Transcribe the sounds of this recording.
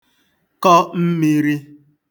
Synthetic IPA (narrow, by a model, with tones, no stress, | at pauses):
kɔ˦m̩˦mi˦ɾi˦